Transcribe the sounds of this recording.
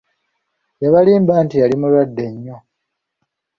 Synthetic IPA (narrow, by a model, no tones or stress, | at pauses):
jaβaliːmbaːntijalimulwadːe̞ɲːo